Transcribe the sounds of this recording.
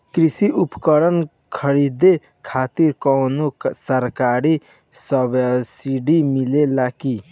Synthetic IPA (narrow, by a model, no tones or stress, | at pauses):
kɾisiupkəɾən | kʰəɾid̪e | kʰat̪iɾkɔwnosəɾkaɾi | səbsiɖimilelaki